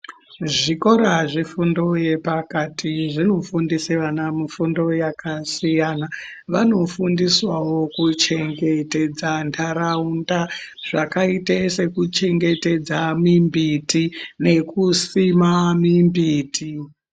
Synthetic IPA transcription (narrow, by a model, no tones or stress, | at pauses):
ʐiko̞ɾaʐifundo̞je̞pakatʰiʐino̞fundiseʋanamifundo̞jakasijana | ʋano̞fundiswawo̞kut͡ʃe̞ŋɡe̞te̞d͡zandʰaɾaundaʐ̥akaitese̞kut͡ʃe̞ŋɡe̞te̞d͡zamimbitine̞kusimamimbiːti